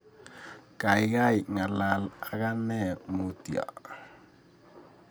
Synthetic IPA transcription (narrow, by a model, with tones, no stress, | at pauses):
ka˨i˦ka˦i˨ŋa˨la˨la˨ka˦nɛ˦mo˨ti˨a̰˨